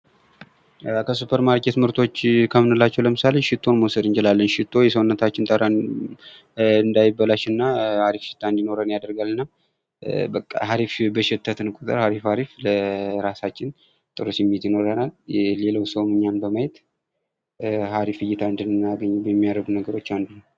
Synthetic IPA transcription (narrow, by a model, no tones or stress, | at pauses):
kʰəsupʰəɾmaɾkʰe̞t̪mɨɾt̪ʰo̞t͡ʃːkʰəmɨnɨlat͡ʃːɛwləmɨsale̞ʃɪt̪ʰːo̞nmowsəd̪ɨnt͡ʃɪlalːənʃɪt̪ʰːo̞jɛsəwnːət̪ʰat͡ʃːɪnt̪ʼəɾa | ɨnd̪ajɪbːəlaʃɨnːahaɾifʃɪ̥t̪ʰːaɨnd̪ino̞ɾənjad̪əɾɡalɨnːa | bəkʼːa̰haɾifbəʃɪt̪ʰːət̪ɨnkʼut̪ʼɨ̰ɾhaɾifhaɾifləɾasat͡ʃːɪn | t̪ʼɨɾɨsjɛmːiet̪jɪno̞ɾənalle̞ləwsəwmɨɲːanbəmajɛt̪ | haɾifɨjːɪt̪ʰaɨnd̪ɨnɨnːaɡəɲːɛjɛmːijaɾəɡunəɡəɾo̞t͡ʃːand̪unəw